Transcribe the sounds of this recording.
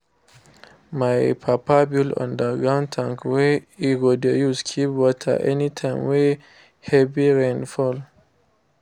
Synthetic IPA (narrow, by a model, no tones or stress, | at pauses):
majpʰapabilã̰ndəɡãntʰãŋkweiɡodejuskʰipwɔtʰa̰ʔɛ̰nitʰãɪmwe | hɛbiɹẽnfɔl